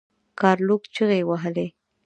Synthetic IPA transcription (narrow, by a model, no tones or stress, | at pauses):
kɑɾlukt͡ʃəɣewaɦəle